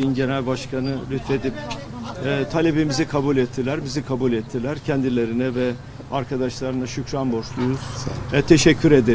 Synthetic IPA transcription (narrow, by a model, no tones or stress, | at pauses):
inɟe̞nælʲbaʃkʰanɯlʲyt̪fe̞d̪ip | ɛt̪ʰalʲebimizikʰabulʲɛt̪ʰːilʲæɾbizikʰabulʲɛt̪ʰːilʲæɾcʰɛnd̪ilʲe̞ɾinɛvɛ | aɾkʰad̪aʃlˠaɾɯnaʃycɾanbo̞ʃlˠujuz̥ɛt̪ʰe̞ʃɛcʰːyɾe̞d̪e